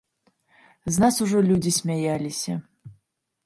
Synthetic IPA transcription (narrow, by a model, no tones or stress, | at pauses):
znasuʐɔlʲud͡zʲisʲmʲajalʲisʲɐ̰